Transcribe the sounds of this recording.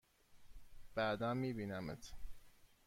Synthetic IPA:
b̥æd̪ænmiːbiːnæmḛt̪ʰ

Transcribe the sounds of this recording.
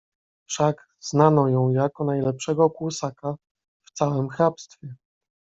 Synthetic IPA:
fʂaɡ | znanɔjɔ̃w̃jakɔnajlɛpʂɛɡɔkwusaka | ft̪sawɘmxapst̪fʲjɛ

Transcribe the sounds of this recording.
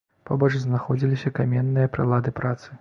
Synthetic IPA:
pabɔt͡ʂznaxɔd͡zʲilʲisʲɐkamʲɛnːɨjɐpɾɨlˠad̪ɨpɾat̪sɨ̥

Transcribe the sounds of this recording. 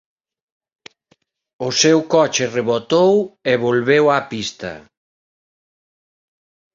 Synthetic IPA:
ʊsewkɔt͡ʃɪreβot̪oweβolβewapist̪ɐ̰

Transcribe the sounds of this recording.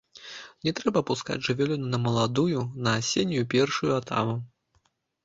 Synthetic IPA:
nʲɛt̪ɾɛbɐpuska̰d͡zʲʐɨvʲɛlʲunnɐmɐlˠad̪ujunɐasʲenʲːujupʲɛrʂujuat̪a̰mu

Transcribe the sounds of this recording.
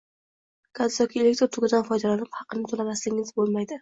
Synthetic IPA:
kʰazɒkʰʲielekt̪ɾot̪ʰʊɡʲɪd̪anfɒjd̪alanɪphɑqɨnɪt̪ʰolamaslɪɡʲɪŋɪzbolˠmajd̪ɪ

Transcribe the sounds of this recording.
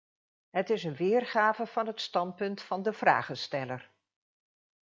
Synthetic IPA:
ɦətɪsənʋɪːrχaːvəv̥ɑnɦətstɑnt̚pɵntfɑndəvra̰ːχənstɛlər

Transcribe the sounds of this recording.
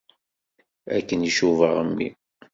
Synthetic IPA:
æ̰kːəniʃuvəʁəmːḭ

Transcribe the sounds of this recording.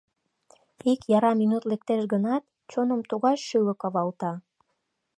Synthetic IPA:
ikjɑɾɑminut̪lek̚t̪eʃɣənɑt̪̚ | t͡ɕonəmt̪uɣɑʃʃylə̆kɑβɑlt̪ɑ

